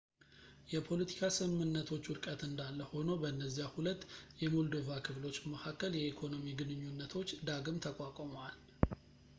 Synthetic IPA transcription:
jɛpʰo̞lət̪ʰi̥kʰasɨmɨnːət̪ʰo̞t͡ʃːwʊɾkʼət̪ɨnd̪alːəho̞nobəɨnːəzːijahulət̪ːjɛmuld̪ovakʰɨβlo̞t͡ʃːməkʰakːəljɛikʰo̞no̞miɡɨnɨɲːunːət̪ʰo̞t͡ʃːd̪aɡɨmt̪ʰəkʼakʼomal

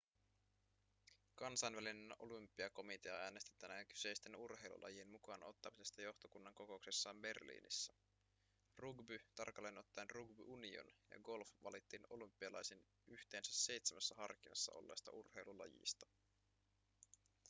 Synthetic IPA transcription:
kɑnsɑnʋælineno̞̰lympːiɑko̞mit̪eɑæːnest̪i̥t̪ːænæky̥se̞jst̪e̞nurhe̞jlṵlʔɑ̰jienmukɑnʔo̞t̪ːɑmise̞st̪æjo̞xt̪okunːɑŋko̞ko̞ukse̞sːɑːmbe̞rlḭːnḭsːæ | ruɡbyt̪ɑrkɑlːeno̞t̪ːɑenruɡbyʔunio̰njɑ̰ɡo̞lfʋɑ̰lit̪ːiːno̞lympːiɑlɑjsin | yht̪e̞ːnsæse̞jt̪semæsːæhɑrkinɑ̰sːɑ̰ʔo̞̰lːḛːst̪ɑ̰urhe̞jlulɑ̰jḭst̪ɑ

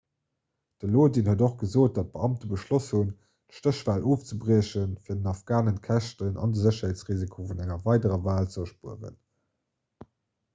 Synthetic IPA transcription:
d̥əloːdinhədoχɡ̥əzoːt̚d̥ɑt̚b̥əɑmtəbəʃloshun | tʃtəɕvaːlʔoːft͡səbʀiəɕənfiːdənɑfɡ̥aːnənkʰæʃtənʔɑ̰ndəzəɕɐɦeːtt͡sʁiːzikʰoːfunæŋɐvɑɪdəʁɐvaːlt͡səɐʃpuəʁə̰n

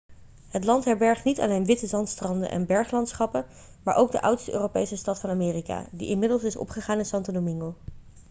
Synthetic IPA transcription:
ɦətlɑntɦɛɹbɛɹχtnitɑ̰lejnʋɪtəzɑntstrɑndə̰nʔɛ̰nbɛɹχlɑntsχɑpə | maːɹʔowɡ̚də̰ʔʌ̰wtstəʔø̰ːropejsəstɑtfɑnamɪːrika̰ːdḭʔɪnmɪdəlˠsɪsɔ̰pχəχaːnɪnsɑntodomɪŋɡo

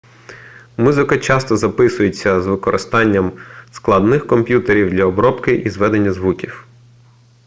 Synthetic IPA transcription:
muzɪkɐt͡ʃɑst̪ɔzɐpɪsʊjet͡sʲːɐzʋɪkɔɾʔɪst̪ɑnʲːɐmsklˠɐd̪nɪxkɔmpʲjut̪eɾʲiwd̪lʲɐɔbɾɔpkɪʔizʋɛd̪enʲːɐzʋukʲiw

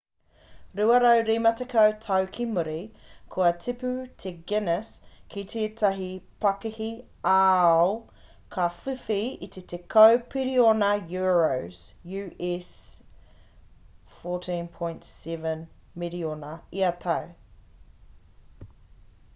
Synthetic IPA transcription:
ɾuɐɾɐwɾimɐtʰɛkʰəwtʰawkʰimuɾikʰuɐtʰipʉtʰeɡɛnəskʰit̪ʰetʰɐɦipʰɐkihi | al | kʰafʉfiit̪ʰetʰekʰəwpʰiɾionɐjuɹowsjʉːʔɛs | fɔːtʰĩnpʰɔj̃ntsɛvən | miɾionɐiɐt̪ʰɐw

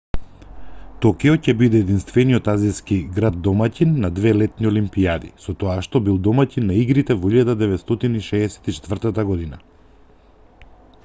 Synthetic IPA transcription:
t̪ɔkɛɔcɛbid̪ɛːd̪inst̪vɛnijɔt̪azijskiɡɾad̪ːɔmacinːad̪vɛlɛt̪niolimpiad̪ḭsɔt̪ɔaʃt̪ɔbilˠd̪ɔmacinːaiɡɾit̪ɛvɔiʎad̪ad̪ɛvɛt̪st̪ɔt̪iniʃɛːsɛ̥t̪it͡ʃɛ̥t̪vr̩t̪at̪aɡɔd̪ina̰

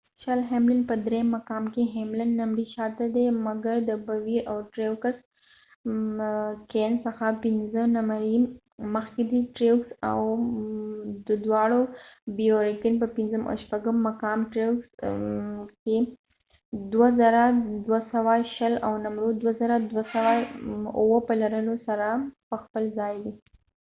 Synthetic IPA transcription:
ʃalɦemlɪnpəd̪ɾemːakɑmkeɦemlanːamɾiʃɑt̪ad̪emaɡaɾd̪əbawiɾʔawʈɾekas | kensəxapɪnzənamaɾi | məxked̪iʈɾeksa̰w | d̪əd̪wɑɽobijoɾɪkɪnpəpɪnzəmʔa̰wʃpaɡəmːakɑmʈɾewks | ke | d̪wazaɾad̪wasawaʃəlawnamɾod̪wazaɾad̪wasawauwəpəlaɾəlosaɾapəxpəlzɑjdi

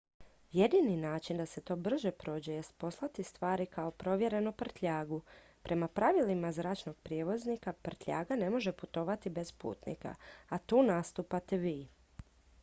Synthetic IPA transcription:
je̞d̪ininaːt͡ʃind̪ase̞t̪o̞ːbr̩ʒe̞pɾo̞ːd͡ʑeje̞st̪̚po̞slˠat̪ist̪ʋaːɾikaopɾo̞ʋje̞ɾe̞nupr̩t̪ʎaːɡu | pɾʔe̞mapɾaʋilimazɾaːt͡ʃno̞ɡ̥̚pɾijeʋo̞znikapr̩t̪ʎʲa̰ːɡane̞mo̞ʒe̞put̪o̞ʋat̪ibe̞spṵːt̪nḭka̰at̪uːnast̪uːpat̪eʋiː

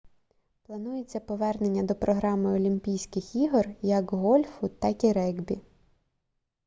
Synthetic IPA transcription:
plˠɐnujet͡sʲːɐpɔʋɛrne̞nʲːɐd̪ɔpɾɔɦɾɑmɪɔlʲimʲpʲijsʲkɪxiɦɔrjɐkɦɔlʲfʊt̪ːɑkiɾɛɡbʲi

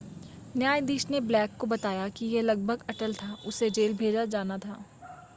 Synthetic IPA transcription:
njaːjd̪iːʃneblɛːkːobɐt̪aːjakijelɐɡ̚bʱəɡɐʈəlt̪ʰaʊsed͡ʒeːlbʱeːd͡ʒad͡ʒaːnat̪ʰaː

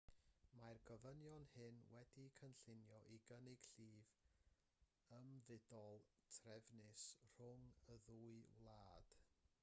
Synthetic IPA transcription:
marɡəvənjɔnhɨnwɛdikʰənɬɪnjɔʔiɡənɪɡ̥ɬiːv | əmvɪdɔlˠtʰrɛvnɪsr̥ʊŋəðuːɨwlˠaːd̥

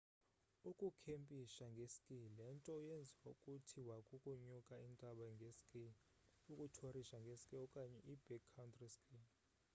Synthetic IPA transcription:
ukʼukʰempʼiʃaŋɡʱeskʼilɛntʼɔujend͡zʱiwaukʼutʰiwakʼukʼuɲukʼaintʼaɓaŋɡʱeskʼi | ukʼutʰoriʃaŋɡʱeskʼiɔkʼaɲɛʔib̥ɛkʰːawntʰʼriskʼi

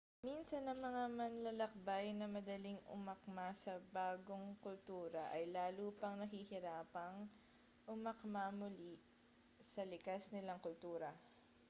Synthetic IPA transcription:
minsɐnːɐŋmɐŋamɐnlɐlɐk̚bajnɐmɐd̪ɐliŋʊ̰mɐk̚masɐbaːɡoŋkʊlt̪uːɾɐʔɐjlaːluːpɐŋnɐɦihɪɾaːpɐŋ | ʔʊmɐkmamʊli | sɐlɪkasnɪlaŋkʊlt̪uːɾɐ

